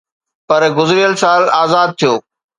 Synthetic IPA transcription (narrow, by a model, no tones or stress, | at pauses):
pɐɾɡʊzɪɾijəlsaːlaːzaːd̪̚t̪ʰijoː